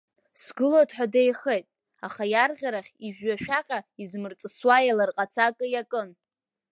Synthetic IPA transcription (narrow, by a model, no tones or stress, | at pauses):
sɡɨlotʰʼħʷᶣadejχejtʼ | a̰χajarʁʲaɾaχʲiʒᶣɥaʃᶣaqʲʼaizmɨrt͡sʼɨswajalarqʼat͡sʰakʼɨjakʼɨn